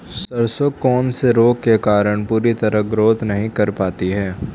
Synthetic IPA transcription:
sɐɾsokːɔːnseɾoːkkːekaːɾəɽ̃puːɾit̪ɐɾəɦɡɾoːt̪nɐɦĩkɐɾpaːt̪iɦɛː

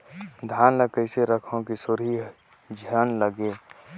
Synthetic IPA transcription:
d̪ʱaːnləkəɪseɾəkʰõkisʊɾi | d͡ʒʱiənləɡeː

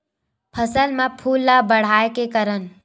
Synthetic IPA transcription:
pʰəsəlmãpʰuːlːabəɽ̤aːekekəɾən

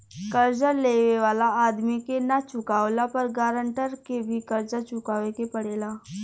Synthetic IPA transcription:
kɐɾd͡ʒəɾleːʋeʋaːlaaːd̪mikenat͡ʃʊkaːwlapɐɾɡaːɾə̃ɳʈəɾkebʱikɐɾd͡ʒat͡ʃʊkaːʋekepɐɽeːlaː

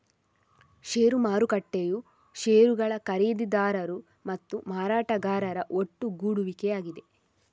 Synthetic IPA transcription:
ʃeːɾumaːɾukɐʈːeju | ʃeːɾuɡɐɭɐkɐɾeːd̪id̪aːɾɐɾu | mɐt̪ːumaːɾaːʈɐɡaːɾɐɾɐʔo̞ʈːuɡuːɽuʋikejaːɡid̪e̞

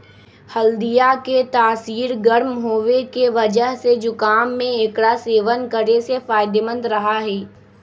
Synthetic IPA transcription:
hɐld̪ijaket̪aːsiːɾɡəɾmɦoːʋekeʋɐd͡ʒəɦsed͡ʒʊkaːmːẽeːkɽaseːʋənkəɾesefaːɪd̪emə̃nd̪ɾɐɦaɦɛː

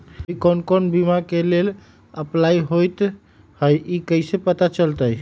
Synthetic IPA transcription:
ikɔnkonbimakelel | əplaiɦojt̪ | həjʔikəɪsepət̪at͡ʃəlt̪əj

